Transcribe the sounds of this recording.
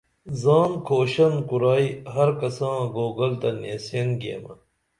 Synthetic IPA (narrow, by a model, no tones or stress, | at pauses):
zaːnkʰoːɕɐnkuɾaːiɦɐɾkɐsãːɡoːɡɐlt̪ɐnḛsenɡḛmɐ̰